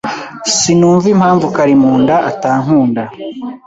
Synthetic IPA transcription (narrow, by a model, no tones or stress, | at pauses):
sinuːɱvim̥haːɱvukaɾimuːndaʔataːŋ̥huːnda